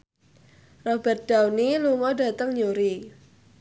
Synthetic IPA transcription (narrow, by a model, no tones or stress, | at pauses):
rɔb̥ərt̪̚d̥a̤wniluŋɔda̤t̪əŋɲuɾi